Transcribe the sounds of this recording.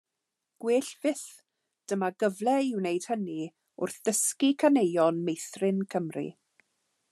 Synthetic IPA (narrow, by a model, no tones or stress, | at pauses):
ɡ̥wɪːɬv̥ɪθ | d̥əmaɡəvlɛɪwnejd̥həni | ʊ̰rθð̥əskikʰanejɔnmejθrɪnkʰəmrḭ